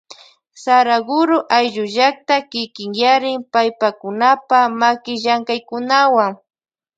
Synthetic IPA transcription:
saɾaɡʊɾʊʔajʒʊʒak̚t̪akɪkɪŋjaɾɪmpajpakʊnapamakɪʒaŋkajkʊnawaŋ

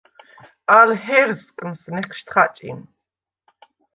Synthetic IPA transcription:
alɦɛrzkʼəmsneqʃt̪ʰχat͡ʃʼḭn

